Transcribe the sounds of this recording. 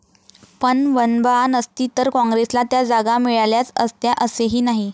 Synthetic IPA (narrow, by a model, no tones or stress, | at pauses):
pəɳʋənbanəst̪iːt̪əɾkɔ̃ŋɡɾeslat̪jad͡zaɡamiɭaljat͡səst̪jaʔəseɦiːnaɦi